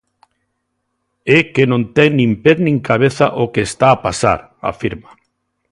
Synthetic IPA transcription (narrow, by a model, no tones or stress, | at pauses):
ekenõnt̪eŋnĩmpeðnĩŋkaβeθaʔokeːst̪aːpasa̰ɾ | a̰fiɾma